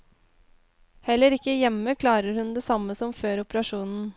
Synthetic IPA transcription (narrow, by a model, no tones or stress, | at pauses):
hɛlːəɾɪkːəjɛməkʰlɑːɾəɾhʉnd̪eːsɑməsɔmføːɾʊpəɾɑʂuːnn̩